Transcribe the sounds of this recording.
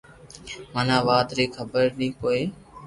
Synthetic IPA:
məːnãːʋaːd̪ɾeːkʰəbəɾnĩːpoːeː

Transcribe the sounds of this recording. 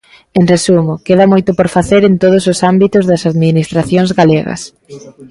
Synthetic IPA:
enresumʊkeðɐmojt̪ʊpoɾfaθeɾent̪oð̞ʊsʊsambit̪ʊzðɐsaðminist̪ɾaθjoŋzɣaleɣɐ̰s

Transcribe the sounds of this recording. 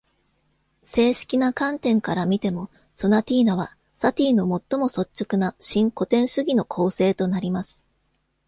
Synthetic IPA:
se̞ːɕi̥kʲinakãnt̪ẽ̞ŋkaɾamʲit̪e̞mo̞ | so̞nat̪ʲiːnaβ̞a | sat̪ʲiːno̞mo̞t̪ːo̞mo̞so̞t͡ɕt͡ɕːokɯ̟naɕĩŋko̞t̪ẽ̞ɰ̃ɕɨɡʲino̞kʰo̞ːse̞ːt̪o̞naɾʲimasɨ̥

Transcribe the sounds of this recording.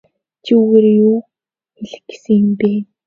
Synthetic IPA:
t͡ɕʰiuɣerjuː | xeɮɘ̆xɡ̥e̥sɘ̆ŋjɪ̆mpeː

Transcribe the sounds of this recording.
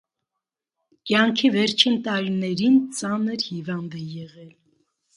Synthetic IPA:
kjɑŋkʰivɛɾt͡ʃʰint̪ɑɾinɛɾint͡sɑnəɾhivɑnd̪ɛjɛʁɛl

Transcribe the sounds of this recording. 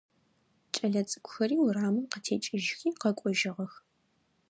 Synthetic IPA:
t͡ʃʼɐɮɐt͡sʼɨ̥kʷʰʼʊxɐriːwraːmɨmqətʰeːt͡ʃʼɪʒɪxiːqɐkʷʼɔʒɪʁɐx

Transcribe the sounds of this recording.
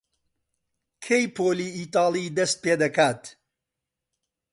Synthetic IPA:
kʰejpʰoːliːiːt̪ɑːlˠid̪ɐst̪̚peːd̪ɐkaːt̪

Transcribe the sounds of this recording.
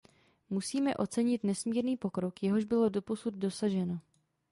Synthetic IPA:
musiːmɛ̰ʔo̞t͡sɛɲɪt̪nɛsmiːɾniːpo̞kɾo̞kjɛɦo̞ʒbɪlo̞do̞po̞sud̪̚do̞saʒɛno̞

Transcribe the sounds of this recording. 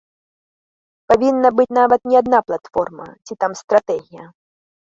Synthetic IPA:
pavʲinːɐbɨt͡sʲnavɐt̪nʲiad̪naplˠat̪fɔrmɐ̰t͡sʲit̪amst̪ɾat̪ɛɣʲijɐ

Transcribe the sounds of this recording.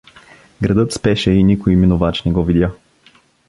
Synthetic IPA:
ɡɾɐd̪ɤt̪spɛʃɛinʲikoiminovat͡ʃnɛɡɔvid̪ja

